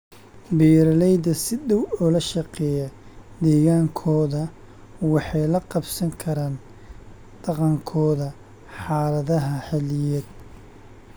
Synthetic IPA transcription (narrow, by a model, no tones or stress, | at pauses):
bɛːɾɐlɛjd̪ɐsɪd̪ɐwɔlɐʃɑqɛːjɐ | d̪ɛːɣaːŋkʰɔːðɐ | wɑħɑjlɐqɑbsɐŋkʰɐɾaːn | d̪̥ɑqɑŋkʰɔːðɐ | ħɑːlɐðɐɦɐħɛlɪjɛd̪̚